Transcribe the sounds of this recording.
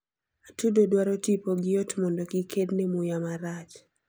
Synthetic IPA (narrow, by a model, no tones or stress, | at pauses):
atudodwaɾɔtipoɡɪotmɔndɔɡɪkʰednemʊjamaɾat͡ʃ